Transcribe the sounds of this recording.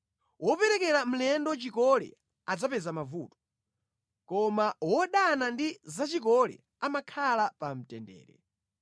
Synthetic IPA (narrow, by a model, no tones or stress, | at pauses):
wɔpɛɾɛkɛɾam̩lɛndɔt͡ʃikɔlɛ̰ | ad͡zapɛzamavṵːtɔ̥ | kɔmawɔɗanandizat͡ʃikɔlɛ̰ | amakʰalapam̩tɛndɛ̰ːɾɛ̰